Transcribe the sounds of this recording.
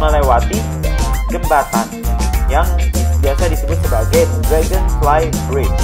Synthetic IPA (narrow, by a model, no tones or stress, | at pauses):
ŋəlawat̪i | ɡəmbasanjaŋbiasadisəbʊt̪̚səbaɡajdɾɛɡənslajbɾen